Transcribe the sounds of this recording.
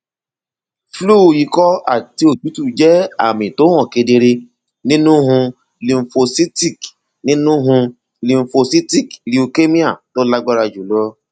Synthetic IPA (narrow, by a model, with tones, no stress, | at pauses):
fluː˦˨ji˨˧kɔ˦a̰˦˨ti˧o˨d͡ʒu˨˦tu˦˨d͡ʒɛ˦a̰˦˨mĩ˨to˨˦w̃ɔ̃˦˨ke˧de˧ɾe˧ | nĩ˦nũ˦ɦũ˧ | li˨m̩˨fo˧si˦ti˦˨k | nĩ˦nũ˦ɦũ˧ | li˧m̩˨fo˧si˦ti˦˨kli˨˦o˧ke˦mĩ˦a˦˨to˦la˦ɡ͡bɔ˦ɾa˧d͡ʒu˨lɔ˦